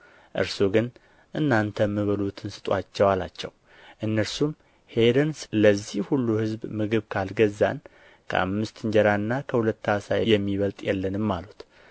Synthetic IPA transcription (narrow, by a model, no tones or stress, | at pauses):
ʔɨ̰ɾsoɡɨn | ʔɨnːant̪ʰəmːɨβəlut̪ʰɨnsɨ̥t̪ʼat͡ʃːɛwala̰t͡ʃːɛ̰w | ʔɨnːəɾsum | hed̪ənsləzːihhulːuhɨzbmɨɡɨβkʰalɡəzːa̰n | kʰə̰ʔa̰mːɨst̪ɨɲd͡ʒɛɾanːakʰəhulət̪ːasajjɛmːiβəlt̪ʼjɛlːənɨmːalut̪